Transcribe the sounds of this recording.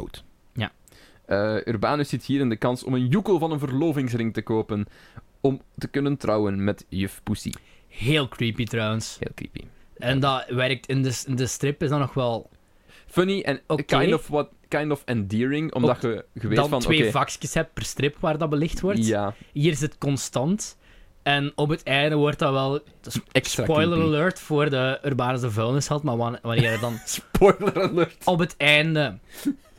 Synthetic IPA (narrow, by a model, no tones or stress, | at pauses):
wt | ja̰ | əyrbaːnosɪtɦiːɾɪndəkɑnsɔ̰mənjukəlˠvɑnənvərloːvɪŋs̬rɪŋtəkoːpən | ɔmtəkɵnəntrawənmɛtjʏfpusḭ | ɦeːlˠkriːpitɾɔwənshḛːlˠkrḭːpḭɛndɑʋɛɾk̚tʰɪndəsndəstɾɪpɪzdɑnɔxʋɛlˠ | fœniʔɛnokajndɔfwt | kajndɔfɛndiːɹɪŋɔ̰mdɑxəɣəʋedɑnfɑnʋeːvɑkskəshɛp̚t̚pərstɾɪpʋaːrdɑbəlɪxtʋɔrtjaɦiːɾɪs̬ətkɔnstɑnt | ɛnɔpɦətʰɛːjndəʋɔrtɑʋɛlˠsɛsapɔjləɾəløːɹtfoːrdəørbaːnəzəvølˠnəshɛlˠtmaːʋɑnɪːədɑnspɔjləɾəløːɹtɔpɦətɛːndə